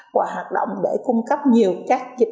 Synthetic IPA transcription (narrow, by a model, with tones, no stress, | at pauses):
vaː˨˩ɦwaː˨˩t̚ɗo̰˧˨wŋ͡mɗe˧˩kʊ˧ŋ͡mkə˦˥p̚ɲi˨˩əwkaː˦˥k̚zi˨˩˦